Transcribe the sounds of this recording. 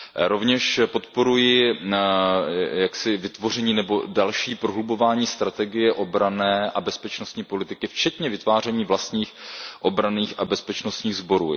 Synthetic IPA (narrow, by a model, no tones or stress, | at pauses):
ɾo̞vɲɛʃpo̞t̪po̞ɾujɪ | jaksɪvɪt̪vo̞rɛɲiːnɛbo̞dalʃiːpɾoɦlubo̞vaːɲiːst̪ɾat̪ɛɡɪjɛʔo̞bɾanɛːʔabɛspɛt͡ʃno̞st̪ɲiːpo̞lɪt̪ɪkɪft͡ʃɛt̪ɲɛvɪt̪vaːrɛɲiːvlast̪ɲiːxʔo̞bɾaniːxʔabɛspɛt͡ʃnost̪ɲiːɣzbo̞ɾuː